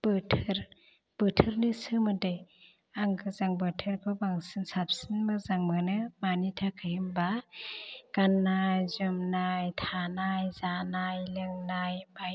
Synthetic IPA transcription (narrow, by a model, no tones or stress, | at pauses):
b̥ɯtʰɯɾ | b̥ɯtʰɯɾnɯsɯmɯdej | aŋɡɯzaŋbɯtʰɯɾkʰɯbaŋsɯnsap̚sinmɯzaŋmɯnɯmanitʰakʰajɯmba | ɡ̥anːajzɯmnajtʰanajzanajlɯŋnajbaj